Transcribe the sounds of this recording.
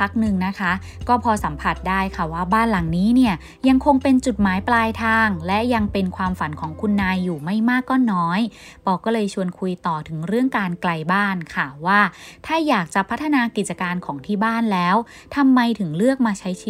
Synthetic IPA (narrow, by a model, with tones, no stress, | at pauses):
pʰa˦˥k̚nɯ˨˧ŋna˦˥kʰa˦˥ | kɔː˥˩pʰɔː˧sa˩˦mpʰa˨˩t̪̚daː˥˩jkʰa˥˩waː˥˩baː˥˩nla˨˩˦ŋniː˦˥ni˥˩ɐ | ja˧ŋkʰo˧ŋpe˧nt͡ɕu˨˩t̪̚maː˨˩˦jplaː˧jt̪ʰaː˧ŋlɛ˦˥ja˧ŋpe˧nkʰwaː˧mfa˨˩˦nkʰɔː˩˦ŋkʰu˧nːaː˧jːuː˨˩ma˥˩jmaː˥˩kːɔː˥˩nɔː˦˥j | pʰɔː˧˩kɔː˥˩lɤː˧jt͡ɕʰu˧ənkʰu˧jt̪ɔː˨˩t̪ʰɯ˩˦ŋɾɯ˥˩əŋkaː˧nkla˧jbaː˥˩nkʰa˥˩waː˥˩t̪ʰaː˥˩jaː˨˩k̚t͡ɕa˨˩pʰa˦˥t̪ʰːa˧naː˧ki˨˩t̪̚t͡ɕa˧kaː˧nkʰɔː˩˦ŋt̪ʰiː˥˩baː˥˩nlɛː˦˥w | t̪ʰa˧mːa˧jt̪ʰɯ˩˦ŋlɯ˥˩ək̚maː˧t͡ɕʰa˦˥jt͡ɕʰi˦